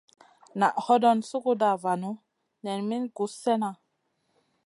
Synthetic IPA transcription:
na˨ʔhɔ˦dɔ˦nsu˦ku˦da˨va˨nu˦ | nɛ˨nmi˦nɡu˨˦sɛ˦na˨

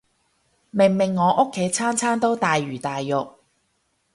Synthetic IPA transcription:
mɪ˨˩ŋmɪ˨˩ŋːɔː˨˧ʔʊ˥kʰːe˨˥jt͡sʰaː˥nt͡sʰaː˥nt̪o˥wt̪aː˨jːyː˨˩t̪aː˨jːʊ˨k̚

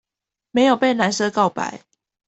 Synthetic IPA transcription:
me˧˦ɪjo˨˩ʊpe˥˨ɪna˨˦nsɤ˦kɑ˥˨ʊpa̰˨˦ɪ

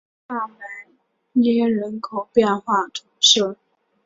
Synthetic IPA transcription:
a˥˩ma˧˩ | jɛ˥ɻə˧˥nkʰo˨˩ʊpjɛ˥˧nxwa˥˩ʈ͡ʂ̪ʰʊ˧˥ŋɕo˥˩

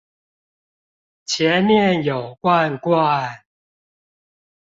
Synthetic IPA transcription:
t͡ɕʰjɛ˨˦nmjɛ˥˨njo˨˩ʊkwa˥˨nkwa˥˨n

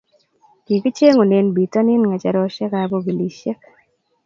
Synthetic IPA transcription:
ki˨ki˦t͡ʃe˦ŋo˨ne˨nbi˨ta˦nɪ˦nŋa˨t͡ʃa˨ɾɔ˦ʃe˦ka˨bo˦ɡi˨li˨ʃe˦k

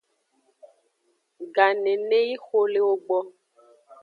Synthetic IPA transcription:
ɡa˨nẽ˨nẽ˦ji˦xo˦le˦wo˦ɡ͡bɔ˦

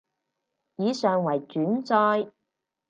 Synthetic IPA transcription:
jiː˨˧sœː˨ŋwɐ˨˩jt͡ʃyː˨˥nt͡sɔː˥j

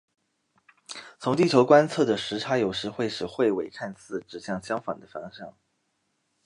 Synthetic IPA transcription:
t͡sʰʊ˧˥ŋt̪i˥˩t͡ɕʰjo˧˥ʊkwa˥nt͡sʰɤ˥˩d̪ə˩ʂɻ̩˧˥ʈ͡ʂʰa˧˥jo˨˩ʊʂɻ̩˧˥xwe˥˩ɪʂɻ̩˨˩xwe˥˩ɪwe˨˩ɪkʰa˥˧nt͡sʰɹ̩˥˩ʈ͡ʂɻ̩˨˩ɕjɑ˥˩ŋɕjɑ˥ŋfɑ̰˨˩ŋd̪ə˦fɑ˥ŋɕjɑ̰˥˩ŋ

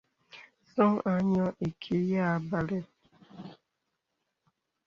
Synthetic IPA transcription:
sɔ̃˦ŋa˨˦ɲɔ˦ʔe˨kʰe˦ja˦˨˦ba˦lɛ˦

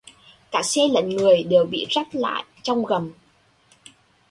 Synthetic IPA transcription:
kaː˧˩sɛ˧lə̰˧˨nŋɨ˨˩əjɗɨ˨˩əɓḭ˧˨za˦˥t̚la̰ː˧˨jt͡ɕɔ˧wŋ͡mɣə˨˩m

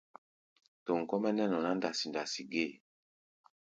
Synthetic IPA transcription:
to˨ŋ̩˨kɔ˦mɛ˦nɛ˦nɔ˨na˦nda˨si˨nda˨si˨ɡe˦˨

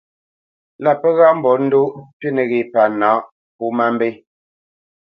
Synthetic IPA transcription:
la˦pɛ˦ɣa˦˨m̩˨bɔ˨˦n̩˦du˦ʔte˦ne˨ɣe˨pa˨naː˨˦ʔ | pu˦ma˦m˦be˦

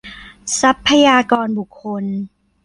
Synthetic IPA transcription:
sa˦˥pʰːa˧jaː˧kɔː˧nbu˨˩kʰːo˧n

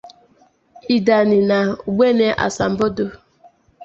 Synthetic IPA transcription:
i˨da˨nɪ˨na˨u˨ɡ͡be˦ne˦ʔa̰˨sa˨m̩˨bo˦do˦

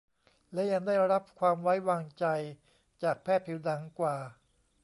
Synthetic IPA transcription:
lɛ˦˥ja˧ŋdaː˥˩jɾa˦˥p̚kʰwaː˧mwa˦˥jwaː˧ŋt͡ɕa˧j | t͡ɕaː˨˩k̚pʰɛː˥˩t̪̚pʰiː˨˦wda˩˦ŋkwaː˨˩

